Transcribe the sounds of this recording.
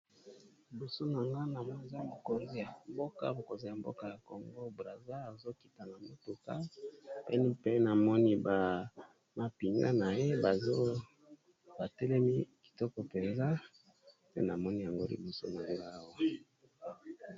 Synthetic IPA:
li˨bo˨so˦na˨ŋɡa˦na˨mɔ˦˨za˦bo˨ko˨nzi˦ja˨mbo˦ka̰˦bo˨ko˨nzi˦ja˨m˦bo̰˦ka˦ja˨ko˨ŋɡo˦bʁa˨za˦a˨zo˦ki˨ta˨na˨mo˨tu˨ka˦ɛ̰˦ni˦pe˦na˨mɔ˦ni˦ba˨ | ma˨pi˨ŋɡa̰˦na˨je˦ba˨zo˦ | ba˨tɛ˦lɛ˦mi˦ki̥˨tɔ˦kɔ˨pe˨nza˦ | tɛ̰˦na˨mɔ˦ni˦ja˨ŋɡo˦lḭ˨bo˨so̰˦na˨ŋɡa˦˨wa˦

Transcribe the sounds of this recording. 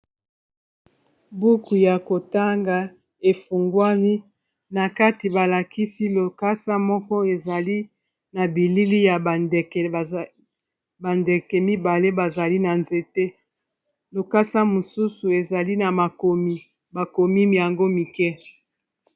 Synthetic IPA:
bu˦ku˨ja˨ko˨ta˦ŋɡa˨ | e˨fu˨ŋɡwa˦ni˦ | na˨ka˦ti˨ba˨la˨ki˦si˦lo˨ka˦sa˦mɔ˦kɔ˦e˨za˨li˦ | na˨bi˨li˦li˦ja˨dk | ba˨nde˨kɛ˨mi˦ba˨le˦ba˨za˨li˦na˨nze˨te˦ | lo˨ka˦sa˦mo˨su˦su˨e˨za˨li˦na˨ma˨ko˨mi˨ | ba˨ko˨mi˦mja˨ŋɡo˦mi˨kɛ˦

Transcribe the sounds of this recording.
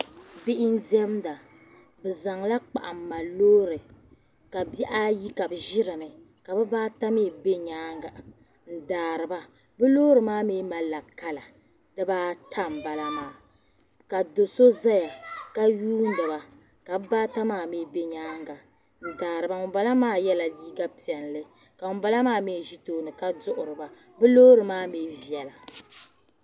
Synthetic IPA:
bɪ˦ʔɪ˦n̩˦dɛ˦mda˨ | bɨ˨za˨ŋla˦k͡pa̰˨ʔa̰˨mː˦a˨loː˦ɾɨ˨ | ka˨bi˦ʔa˦ji˦ka˨bɨ˨ʒɪ˦ɾɨ˨nɨ˨ | ka˨bɨ˦baː˦ta˦meː˦˨be˦ɲaː˦ŋɡa˨ | n̩˦˨daː˨ɾɨ˨ba˦ | bɨ˦loː˦ɾɨ˨maː˦meː˦ma˨la˨ka˦la˨ | dɨ˦baː˦tʰa˦˨m̩˨ba˨la˦maː˦ | ka˨do˨so˦za˦ja˨ka˦juː˦n̩˦dɨ˨ba˨ | ka˨bbaː˦ta˦maː˦˨meː˦be˦ɲaː˦ŋɡa˨ | n̩˨daː˨ɾɨ˨ba˦ŋʊ˨ba˦la˦maː˦jɛ˦la˨liː˦ɡa˦pi˨ɛ˨n˨lɨ˦ | ka˨ŋʊ˨ba˦la˦maː˦me˦˨ʒi˦toː˦nɨ˨ka˦dʊ˦ʔʊ˨ɾɨ˨ba˨ | bɨ˦loː˦ɾɨ˨maː˦meː˦vi˨ɛ˨la˨

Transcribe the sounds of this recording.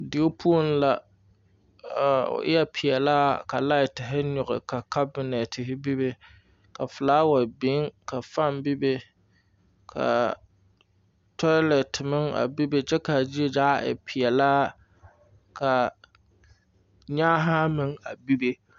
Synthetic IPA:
dɪ˨o˦pʰu˦o˦n˦la˨ | ʊ̰˨ʔɪ̰˦jɛ˦pʰɪ˨ɛ˨laː˦ka˨la˦ɪ˨tɪ˨ɦɪ˦ɲʊ˨ɣɪ̰˨ka˨ka˦bɪ˨nɛ˨tɪ˨ɦɪ˦bi˦be˦ | ka˨fʊ˨laː˦wa˨bɪ˨˦ŋka˨fa˦mbi˦be˦ | kʰa̰˨ | tɔ˦lɛ˨tɪ˨mɪ˦ŋa̰˨bi˦be˦t͡ʃɛ˦ka˨d͡ʒi˦e˦d͡ʒaː˦ʔɪ̰˨pʰɪ˨jɛ˨laː˦ | kʰa˨ | ɲaː˦ɦa˦mɪ˦ŋa˨bi˦be˦

